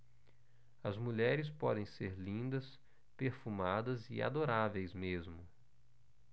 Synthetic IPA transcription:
ɐzmuʎɛɾɪspɔ̰d̪ẽj̃seɾlĩnd̪ɐs | peɾfumad̪ɐzɪ̰a̰d̪oɾavejzmezmʊ

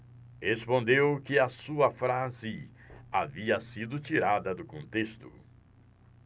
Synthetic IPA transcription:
hespõnd̪ewkɪɐsuɐfɾazɪaviɐsid̪ʊt͡ʃiɾad̪ɐd̪ʊkõnt̪est̪ʊ

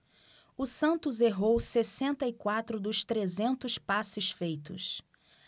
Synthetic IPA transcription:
ʊsɐ̃nt̪ʊzeɦowsesẽnt̪ɐikwat̪ɾʊd̪ʊst̪ɾezẽnt̪ʊspasɪsfejt̪ʊ̰s

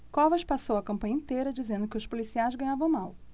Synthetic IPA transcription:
kɔvɐʃpasowɐkɐ̃mpɐ̃ɲɐĩt̪ejɾɐd͡ʒizẽnd̪ʊkɪʊʃpolisiajzɡɐ̃ɲ̃avɐ̃w̃maw

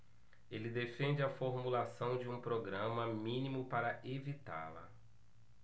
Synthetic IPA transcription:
elɪd̪efẽd͡ʒɪɐfoɾmulasɐ̃w̃d͡ʒɪũpɾoɡɾɐ̃mɐmĩnimʊpaɾɐʔevit̪a̰lɐ̰

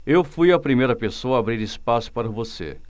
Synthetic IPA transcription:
ewfujɐpɾimejɾɐpesoɐːbɾiɾispasʊ̥paɾɐvosḛ

